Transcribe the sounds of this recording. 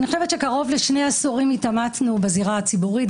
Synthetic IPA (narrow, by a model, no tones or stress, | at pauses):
nixoʃe̞vetʃe̞kaʁo̞vleʃne̞jasoʁimitamatnubaziʁaat͡sibuʁit